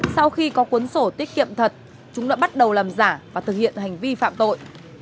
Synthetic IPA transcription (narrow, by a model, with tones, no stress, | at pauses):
sa˧wxi˧kɔ˨˦kwu˨˦ənso˧˩t̪i˦˥ət̚kḭ˧˨əmt̪ʰə˨˩t̚ | t͡ɕʊ˨˦ŋ͡mɗa̰ː˧˥ɓa˦˥t̚ɗə˨˩wlaː˨˩mzaː˧˩vaː˨˩t̪ʰɨ˨˩k̚hḭ˧˨ənɦa˨˩jŋ̟vi˧fa̰ː˧˨mt̪o̰˧˨jʔ